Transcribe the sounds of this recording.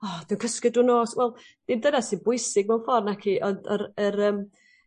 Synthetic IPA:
ɔːd̥iwnkʰəskɪdunoːswɛlˠ | d̥indənasibʊɨsɪɡ̚mɛwˠfɔrnakʰiːʔɔnd̥əɾəɾəm

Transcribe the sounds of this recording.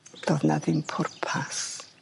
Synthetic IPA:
d̥ɔðnaðɪmpʰʊrpʰas

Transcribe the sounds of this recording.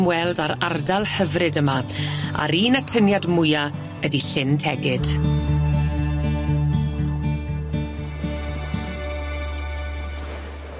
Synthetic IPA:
mwɛlˠdaɾardalˠhəvrɨdəmaa̰ɾiːnatʰənjadmʊja | ədiɬɪntʰɛɡɪd̥

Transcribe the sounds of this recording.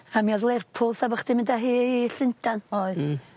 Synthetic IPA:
amiɔðlˠɛrpʰʊlˠsabɔχd̥ɪmɪndaɦiːɬɪntʰanɔɨ

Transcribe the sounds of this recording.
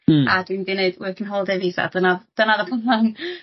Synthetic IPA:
adwindɪneɨdwikʰənɦoːlˠdɛvisa̰d̥ənaðd̥ənaðəpʰənan

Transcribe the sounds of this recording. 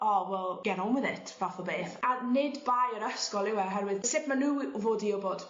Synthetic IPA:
ɔwɛlˠɡ̥ɛɾɔmwɪðɪtʰv̥aθɔbeːθanɪdbajəɾəskɔlˠɪwɛɦɛɾwɪðsepmanuːvoːdiɔbod̥

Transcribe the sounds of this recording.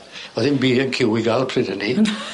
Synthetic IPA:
ɔðɪnbiːənkʰɪwiɡalˠpʰrɪdəni

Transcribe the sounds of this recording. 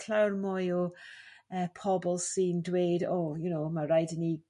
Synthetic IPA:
kʰl̥awrmɔjɔ | əːpʰɔbɔlˠsiːndweːdoːjʊnoːmaɾajdɪni

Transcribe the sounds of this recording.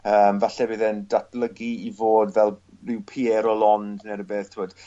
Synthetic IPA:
əːmvaɬɛbɪðɛndatʰlˠəɡiivoːdvɛlˠ | rɪwpʰiɛɾɔlɔndnɛɾəbeːθtʰɪmɔd̥

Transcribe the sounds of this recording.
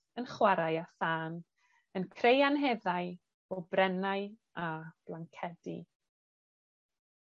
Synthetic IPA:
ənχwaɾajaθaːn | ənkʰrejanɦɛðaɨ | ɔbrɛnaɨ | ab̥lˠaŋkʰɛdḭ

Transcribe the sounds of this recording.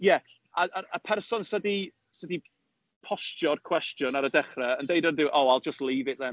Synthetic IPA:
jɛ | aəəpʰɛrsɔnsədi | sədi | pʰɔstjɔrkʰw̥ɛstjʊnaɾədɛχrɛəndejdənðɨːʔowalˠd͡ʒəstliːvɪʔðɛm

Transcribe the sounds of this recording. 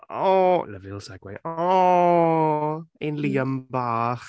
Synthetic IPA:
ɔləvɪlˠsaɡ̥wḛjɔɔ | enliːəmbaːχ

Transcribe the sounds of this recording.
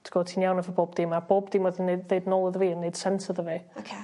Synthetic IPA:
tʰɡɔːtʰiːnjawnəvəboːbdiːmab̥oːbd̥iːmɔðəneðeɨdnɔlˠəðəviːənːejd̥sɛnsəðəviːkʰe

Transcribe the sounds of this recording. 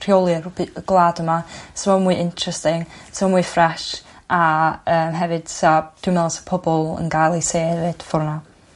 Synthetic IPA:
r̥jolˠɨrʊbɨəɡlˠaːdəmasmɔmuɨʔɪntʰrɛstɪŋsəmɔmuɨfraʃaəːmɦɛvɨd̥sad̥umɛlˠsə̥pʰɔbɔlˠə̰nɡajlˠejseːɾed̥fʊrna

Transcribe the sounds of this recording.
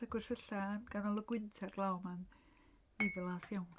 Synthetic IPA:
aɡ̥wɪr̥θəɬanɡanɔlˠəɡwɪntʰɛrɡlˠawmanː | ɪvɛlˠasjawn

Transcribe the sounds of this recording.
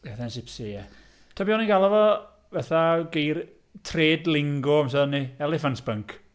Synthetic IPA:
ɛθɛnsɪpsijɛ | tʰabjɔniŋɡalˠɔvɔ | vɛθaɡejr | tʰreːdlɪŋɡɔams̬aðnːiɛlˠɛfantb̥əŋkʰ

